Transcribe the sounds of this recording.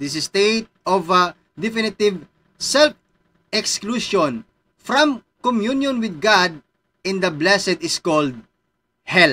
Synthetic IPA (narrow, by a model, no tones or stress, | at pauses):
d̪ɪsɛst̪et̪̚ɔvɐ | d̪ɛfɪnɪt̪ɪv | sɛlf | ɛkskluʃɔ̃n | fɹãm | kɔmjunjɔ̃nwɪd̪̚ɡad̪̚ | ɪ̃nd̪ɐblɛsɛd̪ɪskɔld̪̚ | hɛl